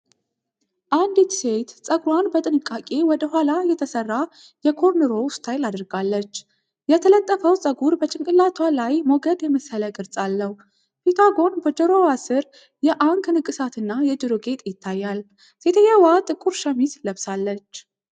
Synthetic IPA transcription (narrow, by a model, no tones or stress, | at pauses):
ʔand̪it̪se̞t̪sʼəɡɾwanbət̪ʼɨnɨkʼːakʼe̞wɔd̪əɦʷalajɛt̪ʰəsərːa | jɛkʰo̞ɾnəɾo̞wʊst̪ʰajlad̪ɾɡalːət͡ʃː | jɛt̪ʰələt̪ʼːəfəwsʼəɡuɾbət͡ʃʼɪŋkʼɨlːat̪ʰwalajmoɡəd̪jɛməsələkʼɨɾt͡sʼalːəh | pit̪ʰaɡo̞nbəd͡ʒəɾo̞wasɨɾ | jɛʔaŋknɨkʼːɨsat̪ʰɨnːajɛd͡ʒɨɾoɡe̞t̪ʼjɪt̪ʰːajːal | se̞t̪ʰəɲːawat̪ʼɨkʼuɾʃəmisləβsalːət͡ʃː